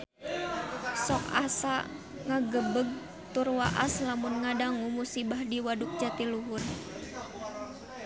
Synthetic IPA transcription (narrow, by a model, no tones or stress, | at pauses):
sɔk̚asa | ŋaɡəbəɡ̚ | t̪urwaʔa̰slamʊnŋadaŋumusibahdiwaduk̚d͡ʒat̪iluɦʊr